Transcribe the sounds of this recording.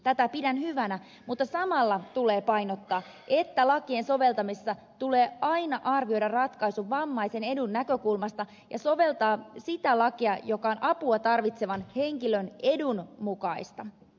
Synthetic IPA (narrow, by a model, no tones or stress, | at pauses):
t̪æt̪æpidænhyʋænæ | mut̪ːɑsɑmɑlːɑt̪ule̞ːpɑjnot̪ːɑː | ʔe̞t̪ːælɑkie̞nso̞ʋe̞lt̪ɑmisːɑ | t̪uleːɑjnɑʔɑrʋio̞jdɑrrɑt̪kɑjsuʋːɑmːɑise̞ne̞dunːækø̞kulmɑst̪ɑ | jɑsoʋe̞lt̪ɑːsit̪ælɑkiɑjo̞kɑo̞nʔɑpuɑt̪ɑrʋit̪se̞ʋɑnhe̞ŋkiløne̞dunmukɑist̪ɑ